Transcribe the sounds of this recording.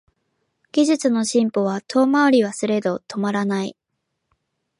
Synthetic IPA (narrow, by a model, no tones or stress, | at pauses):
ɡ̥ʲiʑɨt͡sɨno̞ɕĩmpo̞β̞at̪ʰo̞ːmaoɾʲiβasɨɾe̞d̪o̞t̪ʰo̞maɾanai